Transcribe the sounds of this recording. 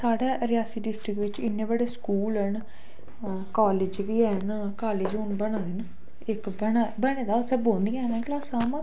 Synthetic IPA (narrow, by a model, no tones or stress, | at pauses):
saːɖaːɾɪjaːsiːɖɪsʈɾɪkʋɪt͡ʃɪnːẽːbəɽeːskuːlɛɳ | kaːlɪːd͡ʒʋiːɛːn | kaːleːd͡ʒɦʊnbəɽãːd̪eːna | ɪkbənabənẽːd̪aːʊt̪ʰːebõːnd̪iːɛ̃ːnɛ̃ːklaːsaːmãː